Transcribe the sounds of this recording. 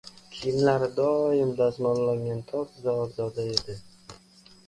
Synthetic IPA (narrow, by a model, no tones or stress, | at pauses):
kʲʰɪjɪmlaɾɪd̪ɒjɪmd̪azmɒnlaŋɡʲant̪ʰɒt̪zaɒt̪zɒd̪ae̞d̪ɪ